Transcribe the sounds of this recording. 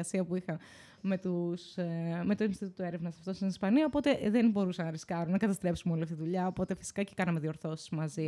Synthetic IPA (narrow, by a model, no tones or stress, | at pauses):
ɐsiɐpuixɐ | me̞t̪usme̞t̪oinst̪it̪ut̪oe̞ɾevnɐsɐft̪o̞st̪inispɐniɐopo̞t̪e̞ðenbo̞ɾusɐnɐɾiskɐɾunɐkɐt̪ɐst̪ɾe̞psumeo̞liɐft̪it̪iðuʎɐo̞po̞t̪e̞fi̥si̥kɐce̥kɐnɐme̞ðio̞ɾθo̞si̥zmɐzi